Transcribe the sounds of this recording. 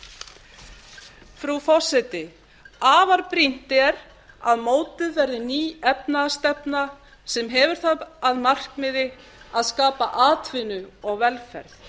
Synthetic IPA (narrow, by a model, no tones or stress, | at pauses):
fɾufɔ̥sɛt̪ɪ | aːvaɾpɾin̥t̪ɛɾ | aðmoːwt̪ɪðvɛɾðɪniːɛpnast̪ɛpna | sɛmɦɛvʏɾ̥θaaðmar̥kmɪðɪ | aðskaːpaʔaːt̪ʰvɪnʏɔɣvɛlfɛ̰ɾð